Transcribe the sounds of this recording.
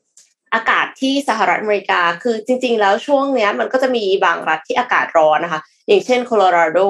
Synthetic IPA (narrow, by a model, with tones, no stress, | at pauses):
ʔaː˧kaː˨˩t̪ʰːiː˥˩sa˧˩ɦa˨˩ɾa˦t̪ʔa˧˩meː˧ɾi˧kaː˧kʰɯː˧t͡ɕi˧ŋt͡ɕi˧ŋlɛː˦˥wt͡ɕʰu˥˩əŋni˦˥ɐma˧nkɔː˥˩t͡ɕa˨˩ʔmiː˧ba̰ː˨˩ŋɾa˦˥t̪ʰːiː˥˩ʔaː˧ka̰ː˨˩t̪̚ɾɔː˦˥na˦kʰa˦˥ | ja˨˩ŋt͡ɕʰe˥˩nkʰoː˧loː˧ɾaː˧doː˥˩